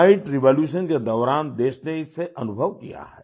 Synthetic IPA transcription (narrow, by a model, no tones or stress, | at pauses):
ɪ̃ɳʈɾɪʋoːljuːʃənked̪ɔːɾaːnd̪eːʃneɪsːeʔɐnʊbʱəʋkija̰ɦɛː